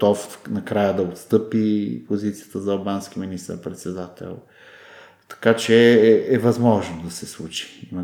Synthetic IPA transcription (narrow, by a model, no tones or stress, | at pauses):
t̪ɔfnɐkɾajəd̪ɐot̪st̪ɤpipozit̪sijət̪əzɐːlˠbanskiminist̪ə̰ɾpɾɛt̪sɛd̪at̪ɛ̰lˠ | t̪ɐ̥kat͡ʃɛːvɐzmɔʒnod̪ɐsɛslˠut͡ʃi̥imɛ